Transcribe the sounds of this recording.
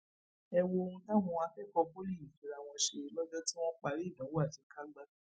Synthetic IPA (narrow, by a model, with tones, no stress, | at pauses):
ɛ˧wo˧o˧ũ˧tã˦˨ɦũ˧a˧fɛ˦kɔ˧po˦li˦˨fi˨ɾa˨w̃ɔ̃˧ʃe˧˨lɔ˦d͡ʒɔ˦ti˦w̃ɔ̃˦k͡pa˧ɾi˦˨nã˨˦wa˦˨ʃi˨˦ka˦ɡ͡ba˧